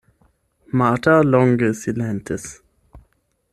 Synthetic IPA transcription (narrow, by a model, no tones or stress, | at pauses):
maːtʰalɔ̃ŋɡəsilɛ̃ntʰəs